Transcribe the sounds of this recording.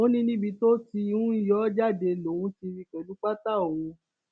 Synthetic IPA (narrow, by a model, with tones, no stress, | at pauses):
o˦nĩ˧nĩ˦bi˧to˦ti˧ũ˦jɔ˦d͡ʒa˦˨de˧lo˨˦˨wũ˦ti˧ɾi˧kɛ˨lu˦k͡pa˦ta˦˨o˨ũ˨˧˦